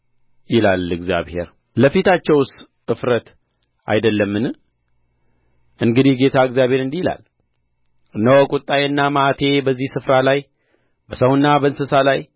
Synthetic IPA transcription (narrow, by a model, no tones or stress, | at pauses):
jɪlalɨɡzja̰βhe̞̰ɾ | ləfit̪ʰat͡ʃːɛws | ɨfɾət̪ | a̰jd̪əlːəmːɨn | ʔɨŋɡɨd̪ihɡe̞t̪ʰaɨkzjaβhe̞ɾɨnd̪ijla̰l | ɨnːəwɔkʼʊt̪ʼːajɨnːamat̪ʰe̞bəzːihsɨfɾalaj | bəsəwɨnːabəɨnsɨsalaj